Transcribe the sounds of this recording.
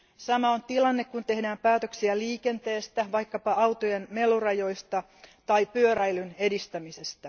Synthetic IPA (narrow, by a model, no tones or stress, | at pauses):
sɑmɑont̪ilɑnːekkunt̪e̞hdæːmpæːt̪øksiæliːke̞nt̪e̞ːst̪æʋɑjkːɑpɑɑwt̪ojenme̞lurɑjo̞jst̪ɑ | t̪ɑipyøɾæjlyne̞dist̪æmise̞st̪æ